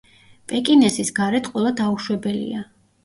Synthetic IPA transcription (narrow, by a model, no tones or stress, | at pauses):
pʼɛkʼinɛsisɡaɾɛt̪ʰqʼwɛlˠad̪auʃwɛbɛlḭa